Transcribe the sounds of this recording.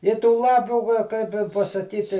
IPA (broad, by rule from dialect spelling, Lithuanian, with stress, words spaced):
ɪ tuː ˈlˠɑːpʲuː kɐ ˈkɐɪp ɪ pɐsɐˈkʲiːtʲɪ